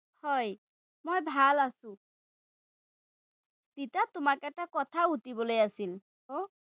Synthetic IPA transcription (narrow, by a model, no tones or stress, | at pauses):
hɔj | mojbʱalasʊ̃ | titatʊmakɛk̚takɔt̪ʰautibolojasil | ho